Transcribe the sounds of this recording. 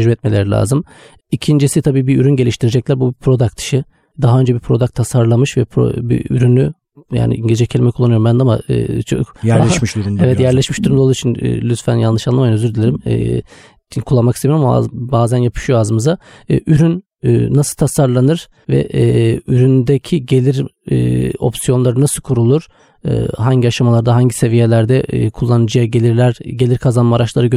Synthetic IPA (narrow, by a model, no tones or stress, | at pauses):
ʒɾibɛt̪me̞lʲeɾilʲa̰ːzɯm | icʰind͡ʒisit̪ʰabiːbiyɾynɟe̞lʲiʃt̪ʰiɾed͡ʒɛc̚lʲæɾbubipʰɾo̞d̪ak̚t̪ʰɯ̥ʃi | d̪aɦaønd͡ʒɛbiɾpʰɾo̞d̪ak̚t̪ʰasaɾlˠamɯʃvɛpʰɾo̰bḭy̰ɾyny | ja̰ːnḭʔiɲɟilʲid͡ʒɛcʰelʲimɛkʰulˠːanɯjoɾmbænd̪amaɯ̰t͡ʃʰo̰ | evɛt̪jæɾlʲɛʃmiʃt̪uɾmzoɾit͡ʃʰin̰ːlʲyt̪fænjanˠɯʃalˠamajanøzyɾd̪ilʲɾim̰ː | kʰulˠːanmaki̥st̪emjoama̰baːzænjapʰɯ̥ʃujoazɯmɯzaɯʔyɾynː | asɯlˠt̪ʰasaɾlˠanɯɾ̥ | vɛ̰ʔyɾynd̪ecʰiɟe̞lʲiɾ̰ː | o̞̰psijo̞nlˠaɾɯnasɯlˠkʰuɾulˠuɾ̥ | ɯ̰ɦaɲɟiaʃamalˠaɾd̪aɦaɲɟise̞vije̞lʲæɾd̪ɛ̰kʰulˠːanɯd͡ʒajaɟelʲiɾlʲæɾɟe̞lʲiɾkʰazanmaːɾat͡ʃlˠaɾɯø